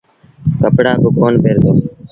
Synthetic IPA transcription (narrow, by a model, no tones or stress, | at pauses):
kəpɽaːbʊːkoːnpeːɾd̪eː